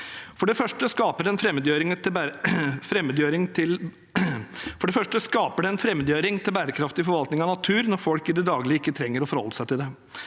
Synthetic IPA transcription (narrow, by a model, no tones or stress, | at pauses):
fɔɖɛfœʂʈəskɑːpəɖɛɛnfɾɛmːəd̪jøːɾɪŋt̪ɪ | fɾɛmːəd̪jøːɾɪŋt̪ʰɪl | fɔɖɛfœʂʈəskɑːpəɖɛɛnfɾɛmːəd̪jøːɾɪŋt̪ʰɪlbæːɾəkʰɾɑft̪ɪfɔɾʋɑlt̪nɪŋɑnɑt̪ʰʉːɾnɔɾfɔlkɪd̪ɛd̪ɑːɡlɪɪkːət̪ʰɾɛŋːəɾɔfɔɾhɔ̰lːəsæɪt̪ɪld̪ɛ